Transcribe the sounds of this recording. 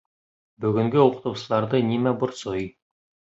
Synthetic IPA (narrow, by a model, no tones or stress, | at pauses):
bɵɡʲʏŋɡʲeoqə̥t̪uwsəlˠɑɾd̪ənʲimæbʊɾsoj